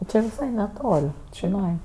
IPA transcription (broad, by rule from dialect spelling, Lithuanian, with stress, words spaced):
ˈt͡ʃʲɪ ʋʲɪˈsɐɪ nʲɛˈtoːlʲ t͡ʃʲɪˈnɐɪ